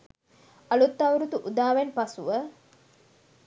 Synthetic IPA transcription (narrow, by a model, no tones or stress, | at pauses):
ɐlut̪ːɐwɾut̪uʔud̪aːʋenpɐsuʋə